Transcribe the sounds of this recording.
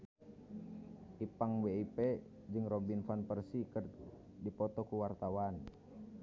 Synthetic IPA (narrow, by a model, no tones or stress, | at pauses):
ʔipaŋweipɛ | d͡ʒɨŋɾɔbinfanpərsikər | dipɔt̪ɔkuwart̪awan